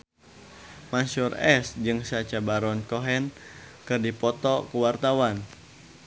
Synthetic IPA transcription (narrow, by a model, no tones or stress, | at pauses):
masurɛsd͡ʒɨŋsat͡ʃabaɾɔnkɔɦɛnkɨrdipɔt̪ɔkuwart̪awan